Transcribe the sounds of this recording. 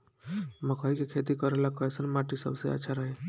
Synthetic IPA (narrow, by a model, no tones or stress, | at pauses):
məkʰaikekʰet̪ikəɾelakɔesənmaːʈisə̰bseə̰tːʃʰaɾəɦe